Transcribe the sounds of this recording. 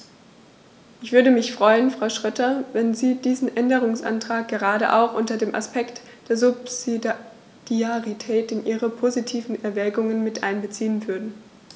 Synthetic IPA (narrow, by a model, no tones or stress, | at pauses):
ʔɪçv̥ʏɐɾəmɪçfʁ̥ɔʏənfʁ̥aʊʃʁ̥œtɐvɛnziːdiːzn̩ʔɛndəʁʊŋsʔa̰ntʁ̥aːk̚ɡ̥əʁaːɾə̰ʔa̰ʊxʔʊntɐdeːmʔa̰spɛkt | d̥eːɐzʊpzi | d̥iaʁitʰɛːtɪnʔiːʁəpʰozitʰiːvn̩ɛɐvɛːɡʊŋənmɪtʔa̰ɪnbət͡siːənvʏɐdn̩